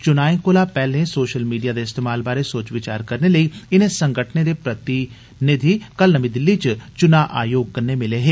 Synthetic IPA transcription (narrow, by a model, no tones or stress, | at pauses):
t͡ʃʊnaːĩkoːlaːpɛːlẽːsoːʃəlmiːɖijaːd̪eɪst̪eːmaːlbaːɾesoːt͡ʃʋɪt͡ʃa̰ːɾkəɾneləiɪnẽsə̃ŋɡəʈʰned̪eːpɾət̪i | nɪd̪ʱikəlnəmĩːd̪ɪlːit͡ʃt͡ʃʊnaːʔa̰ːjoːɡ̚kəɾnemɪleːɦeː